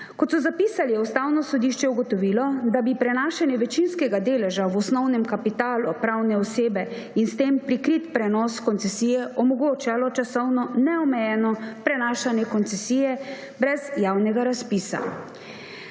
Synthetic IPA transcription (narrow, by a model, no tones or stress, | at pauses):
kɔt̪sɔzapiːsalijɛust̪aːwnɔsɔd̪iʃt͡ʃɛuɡɔt̪ɔʋiːlɔd̪abipɾɛnaːʃanjɛʋɛt͡ʃinskɛɡad̪eːlɛʒawɔsnɔwnɛmkapit̪aːlupɾawnɛɔseːbɛ | inst̪eːmpɾikɾit̪pɾɛnɔskɔnt̪sɛsiːjɛʔɔmɔɡoːt͡ʃalɔt͡ʃasɔwnɔnɛɔmɛjɛnɔpɾɛnaːʃanjɛkɔnt̪sɛsijɛ | bɾɛzjaːwnɛɡaɾaspiːsa̰